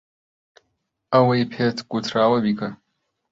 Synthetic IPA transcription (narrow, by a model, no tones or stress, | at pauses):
ɐwɐjpʰet̪ʰɡ̥ut̪ʰɾaːwɐbikʰɐ